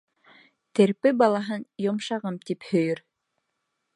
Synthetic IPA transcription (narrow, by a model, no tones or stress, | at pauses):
t̪eɾpɘbɑlˠɑɦɤnjomʃɑʁɤmt̪iphɵ̆jɵɾ